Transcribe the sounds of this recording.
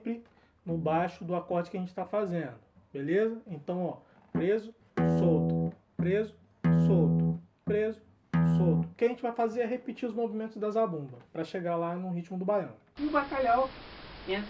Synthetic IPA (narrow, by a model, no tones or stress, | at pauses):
pɾɪ | nʊbajʃʊd̪ʊakɔɾd͡ʒɪkɪɐʒẽnt͡ʃɪ̥t̪afazẽnd̪ʊ | belezɐẽnt̪ɐ̃w̃ɔ | pɾezʊ | sowt̪ʊ̥ | pɾezʊ | sot̪ʊ | pɾezʊ | sowt̪ʊkʲɪaʒẽt͡ʃɪvajfazeɾɛɦepit͡ʃiɾʊzmovimẽnt̪ʊzd̪ɐzabũmbɐpɾɐʃeɡalanʊɦit͡ʃimʊd̪ʊbajɐ̃w̃bakaʎawẽ